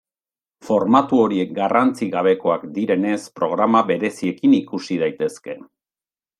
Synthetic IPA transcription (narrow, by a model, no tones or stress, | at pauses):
fo̞ɾmat̪uo̞ɾie̞k̚ɡarant͡siɣaβ̞e̞ko̞akd̪iɾe̞ne̞spɾo̞ɣ̞ɾamaβe̞ɾe̞sie̞kinikusið̞ajt̪e̞ske̞